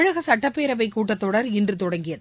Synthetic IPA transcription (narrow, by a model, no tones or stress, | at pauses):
ɻɐɣɐsɐʈːɐpːeːɾɐʋɐɪkːuːʈːɐt̪ːɔɽɐɾɪndrɯt̪ɔɽɐŋɡɪjɐð